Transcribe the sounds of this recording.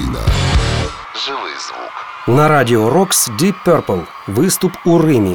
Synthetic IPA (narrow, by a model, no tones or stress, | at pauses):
ina̰ | ʐɨlˠɨ̰zvṵk | nɐɾadʲɪɔɾɔksdʲipʲːɛrpəlˠ | vɨst̪upurɨmʲi